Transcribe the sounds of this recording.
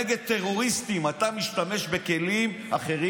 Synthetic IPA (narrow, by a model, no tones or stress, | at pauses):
eɡe̞d̪̚t̪ːe̞ʁo̞ʁist̪imat̪amiʃt̪ame̞ʃbe̞ke̞lim | aχe̞ʁi